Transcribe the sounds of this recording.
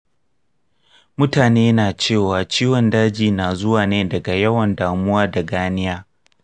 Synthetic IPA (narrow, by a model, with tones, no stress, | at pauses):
mʊ˦taː˨neː˦naː˨t͡ʃeː˦˨waː˨t͡ʃiː˦wɔ˨ndaː˦d͡ʒiː˨naː˨zʊ˦waː˨neː˦dɐ˨ɡa˨jɐ˦wɐ˨ndaː˨mʊ˦waː˦da˨ɡaː˦nɪ˦jaː˦